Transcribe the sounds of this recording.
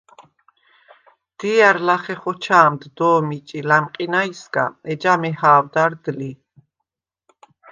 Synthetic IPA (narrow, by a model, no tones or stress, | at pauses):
d̪̥iaɾlaχɛχɔt͡ʃʰaːmd̪d̪ɔːmit͡ʃʼilamqʼinaisɡa̰ɛd͡ʒamɛhaːwd̪aɾd̪li